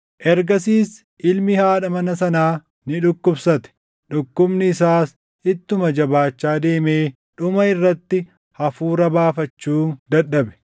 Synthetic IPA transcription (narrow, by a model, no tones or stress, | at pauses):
ʔɛɾɡɐsiːs | ʔɪlmɪhaːᶑɐmɐnɐsɐnaː | nɪᶑʊkːʊbsɐt̪ɛ̥ | ᶑʊkːʊbnɪːsaːs | ɪt̪ːʊmɐd͡ʒɐbaːt͡ʃːaːd̪e̞ːmeː | ᶑʊmɐɪrːɐt̪ːɪ | hɐfuːɾɐbaːfɐt͡ʃːuːd̪ɐᶑːɐbɛ̥